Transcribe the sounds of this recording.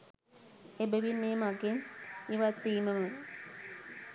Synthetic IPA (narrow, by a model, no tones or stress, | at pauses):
ebəʋinmeːmaɡeniʋat̪ːiːmɐmə